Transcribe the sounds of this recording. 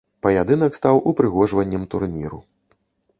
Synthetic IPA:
pɐjad̪ɨnɐkst̪awʔupɾɨɣɔʐvɐnʲːɐmt̪urnʲḭɾṵ

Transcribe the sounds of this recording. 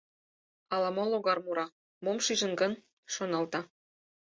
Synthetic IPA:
ɑlɑmoloɣɑrmuɾɑ | momʃiʒə̆nɡɤn | ʃonɑlt̪ɑ

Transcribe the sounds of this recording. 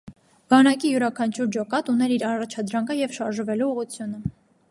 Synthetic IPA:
b̥ɑnɑkijuɾɑkʰɑnt͡ʃʰuɾd͡ʒɔkɑt̪unɛɾiɾɑrɑt͡ʃʰɑd̪ɾɑŋkʰəjɛvʃɑɾʒəvɛluːʁut͡sʰjunə

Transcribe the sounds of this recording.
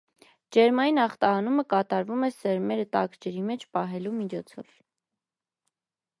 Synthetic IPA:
d͡ʒɛɾmɑjinɑχt̪ɑɑnuməkɑt̪ɑɾvumɛsɛɾmɛɾət̪ɑkd͡ʒɛɾimɛt͡ʃʰpɑɦɛlumit͡ʃʰɔt͡sʰɔ̰v

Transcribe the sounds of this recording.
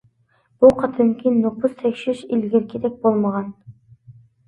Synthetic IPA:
b̥uqʰɑt̪ʰɯŋkʲinːopʊzsekʲʃyʃilɡʲeɾkʰʲed̪ek̚bolˠmɑʁɑn

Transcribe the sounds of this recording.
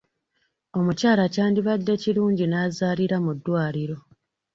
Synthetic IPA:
o̞mucaːlacaːndiβadːe̞ciɾuːɲɟinaːzaːliɾamudːwaːliɾo̞

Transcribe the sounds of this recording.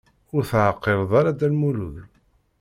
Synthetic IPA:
ʊɾθʕəqːeɾˤðˤɑɾˤad̪ælmulṵð

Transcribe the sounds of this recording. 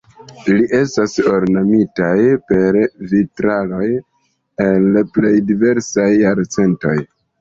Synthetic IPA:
liʔe̞staso̞ɾnamitajpe̞ɾvitɾalo̞j | enlple̞jdive̞ɾsajːaɾt͡se̞nto̞̰j

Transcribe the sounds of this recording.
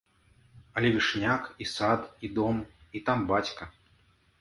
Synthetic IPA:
ɐlʲɛvʲiʂnʲakisat̪id̪ɔmit̪ambat͡sʲkɐ

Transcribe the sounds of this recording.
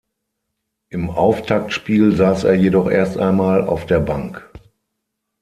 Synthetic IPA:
ʔɪmʔaʊftʰak̚tʃpiːlzaːsʔḛːɐjedɔχʔḛːɐstʔa̰ɪnmaːla̰ʊfd̥eːɐbaŋk

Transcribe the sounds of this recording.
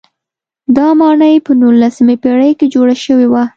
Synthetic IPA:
d̪ɑmɑɳəjpənulːasəmepeɽəjked͡ʒoɽaʃəwewa

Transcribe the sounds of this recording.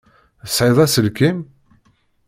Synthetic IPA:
əsʕɪðˤæsəlkim

